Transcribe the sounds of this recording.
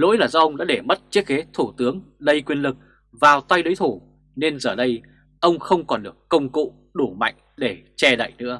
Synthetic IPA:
lo̰˧˥jlaː˨˩zɔː˧ʔə˧wŋ͡mɗa̰ː˧˥ɗe˧˩mə˦˥t̚t͡ɕi˦˥ək̚ke˨˦t̪ʰu˧˩t̪ɨ˨˦əŋlə˧jkwi˧ənlɨ˨˩k̚ | vaː˨˩wt̪a˧jɗə˨˦jt̪ʰu˧˩ | ne˧nzəː˨˩ɗə˧j | ʔə˧wŋ͡mxə˧wŋ͡mkɔ˨˩nɗɨ˨˩əkːə˧wŋ͡mkṵ˧˨ | ɗu˧˩ma̰˧˨jŋ̟ɗe˧˩t͡ɕɛ˧ɗə̰˧˨jnɨ̰˧˥ə

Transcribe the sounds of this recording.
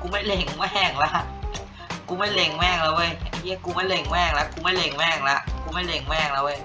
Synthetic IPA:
kuː˧˦ma˥˩jle˧˩ŋwɛː˥˩ŋla˦˥ʔ | kuː˧˦ma˥˩jle˧˩ŋwɛː˥˩ŋla˧˩wʔɤ˧˥˩ja˧˩i˦˥˩kuː˧ma˥˩jle˧˩ŋwɛː˥˩ŋla˦˥ʔkuː˧ma˥˩jle˧˩ŋwɛː˥˩ŋla˦˥ʔkuː˧˦ma˥˩jle˧˩ŋwɛː˥˩ŋla˧˩wɤː˧˩j

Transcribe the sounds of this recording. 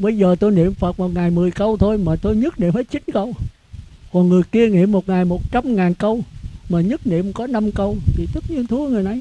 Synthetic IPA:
ɓə˧jzəː˨˩t̪o˧jnḭ˧˨əmfə˨˩t̚mo˨˩t̚ŋaː˨˩jmɨ˨˩əjkə˧wt̪ʰo˧jmaː˨˩t̪o˧jɲɨ˦˥t̚nḭ˧˨mfə˨˦jt͡ɕï˨˦ŋn̟kə˧w | kɔ˨˩nŋɨ˨˩əjki˧əŋḭ˧˨əmːo˨˩t̚ŋaː˨˩jmo˨˩t̚t͡ɕa˧mŋaː˨˩nkə˧wmaː˨˩ɲɨ˦˥t̚nḭ˧˨əmkɔ˨˦na˧mkə˧wt̪ʰi˨˩t̪ɨ˦˥k̚ɲi˧ənt̪ʰu˨˦ŋɨ˨˩jna˨j

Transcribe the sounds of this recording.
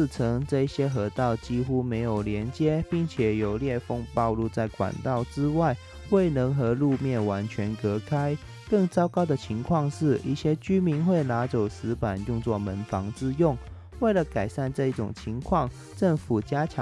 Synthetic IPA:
ʈ͡ʂʰɤ˧˥ŋʈ͡ʂɤ˥˧i˥˩ɕjɛ˥xɤ˧˥t̪ɑ˥˩ʊt͡ɕi˥xu˥me˧˥ɪjo˨˩ʊljɛ˧˥nt͡ɕjɛ˥pi˥˩ŋt͡ɕʰjɛ˨˩jo˨˩ʊljɛ˥˧fo˥ŋpɑ˥˧ʊlu˥˧t͡sa˥˩ɪkwa̰˨˩nt̪ɑ˥˩ʊʈ͡ʂɻ̩˥wa˥˩ɪ | we˥˩ɪnɤ˧˥ŋxɤ˧˥lu˥˧mjɛ˥˩nwa˧˥nt͡ɕʰɥɛ˧˥nkɤ˧˥kʰa˥ɪ | kɤ˥˩ŋt͡sɑ˥ʊkɑ˥ʊd̪ə˨t͡ɕʰi˧˥ŋkʰwɑ˥˧ŋʂɻ̩˥˩ḭ˥˩ɕjɛ˥t͡ɕy˥mi˧˥nxwe˥˩ɪna˧˥t͡so˨˩ʊsɹ̩˧˥pa˨˩njʊ˥˧ŋt͡swɔ˥˩mə˧˥nfɑ˧˥ŋt͡sɹ̩˥˧jʊ˥˩ŋ | we˥˩ɪlə˨˩ka˨˩ɪʂa˥˧nʈ͡ʂɤ˥˧i˥˩ʈ͡ʂʊ̰˨˩ŋt͡ɕʰi˧˥ŋkʰwɑ˥˧ŋ | ʈ͡ʂɤ˥˩ŋfu˨˩t͡ɕja˥t͡ɕʰ

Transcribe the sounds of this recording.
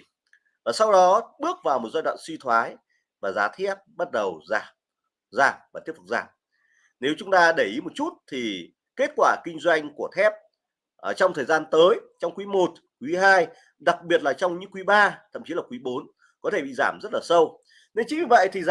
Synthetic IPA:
vaː˨˩sa˧wɗɔ˨˦ɓɨ˦˥ək̚vaː˨˩wmo˨˩t̚za˧jɗwa̰ː˧˨nswi˧t̪ʰwaː˨˦j | vaː˨˩zaː˨˦t̪ʰɛ˦˥əp̚ɓa˦˥t̚ɗə˨˩wzaː˧˩ | zaː˧˩mvaː˨˩i˦˥əp̚fu˨˩zaː˧˩m | ne˨˦wt͡ɕʊ˨˦ŋ͡mt̪aː˧ɗə˧˩jʔi˨˦mo˨˩t̚t͡ɕu˦˥t̚t̪ʰi˨˩ | ke˦˥t̚kwaː˧˩kï˧ŋ̟zwa˧jŋ̟ku˧˩ət̪ʰɛ˦˥p̚ | ʔt͡ɕɔ˧wŋ͡mt̪ʰəː˨˩zaː˧nt̪əː˨˦jt͡ɕɔ˧wŋ͡mkwi˨˦mo˨˩t̚ | kwi˨˦ɦaː˧j | ɗa˨˩k̚ɓi˨˩ət̚laː˨˩t͡ɕɔ˧wŋ͡mɲɨ̰˧˥ŋkwi˨˦ɓaː˧t̪ʰə̰˧˨mt͡ɕi˨˦laː˨˩kwi˨˦ɓo˨˦n | kɔ˨˦e˧˩ɓḭ˧˨zaː˧˩mzə˦˥t̚laː˨˩sə˧w | ne˧nt͡ɕɨ˨˦ŋvi˨˩və̰˧˨jt̪ʰi˨˩z

